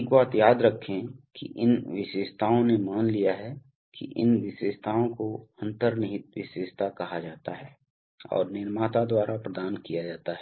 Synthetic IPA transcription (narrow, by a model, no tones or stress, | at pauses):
kbaːt̪jaːd̪ɾɐkʰːẽkḭʔɪnʋɪʃeːʃt̪ʰaːõnemaːnlijaɦɛ | kḭʔɪ̰nʋɪʃweːʃt̪ʰaːõkoɐ̃nt̪əɾnɪɦɪt̪̚ʋɪʃweːʃt̪ʰakɐɦad͡ʒaːt̪aɦɛː | ɔ̰ːɾnɪɾmaːt̪ad̪waːɾapɾəd̪aːnkijad͡ʒaːt̪aɦɛː